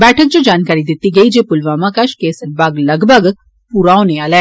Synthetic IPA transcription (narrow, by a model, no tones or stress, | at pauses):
bɛːʈʰək̚d͡ʒod͡ʒaːnkaːɾid̪ɪt̪iɡɐid͡ʒeːpʊlʋaːmãkaʃkeːsəɾ̚baːɡlɐɡbʱəɡ | puɾaːoneaːlɛː